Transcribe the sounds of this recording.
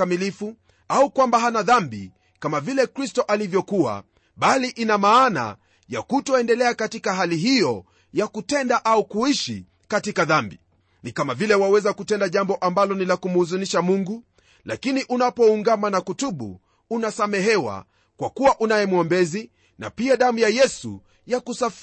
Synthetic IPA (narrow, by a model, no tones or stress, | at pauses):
amilifu | aukwambaɦanaðambḭ | kamavilɛkɾistɔʔalivjɔkua̰ | ɓaliʔinamaːna̰ | ja̰kutɔɛndɛlɛakatikaɦaliɦijɔ | jakutɛndaʔaukuiʃi | katikaðambi | nikamavilɛwawɛzakutɛndaʄambɔʔambalɔnilakumuːzuniʃamuŋɡu | lakiniʔunapɔuŋɡamanakutuɓṵ | unasamɛɦɛwa̰ | kwakuwaʔunajɛmwɔmbɛzi | na̰piaɗamujajɛsṵ | jakusaf